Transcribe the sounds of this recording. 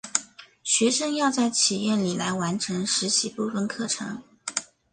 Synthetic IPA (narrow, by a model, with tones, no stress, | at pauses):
ɕɥɛ˧˥ʂɤ˥ŋjɑ˥˧ʊt͡sa˥˩ɪt͡ɕʰi˨˩jɛ˥˩nli˨˩la˧˥ɪwa˧˥nʈ͡ʂʰɤ˧˥ŋʂɻ̩˧˥t͡ɕʰi˨˩pu˥˩fə˥˧nkʰɤ˥˩ʈ͡ʂʰɤ̰˧˥ŋ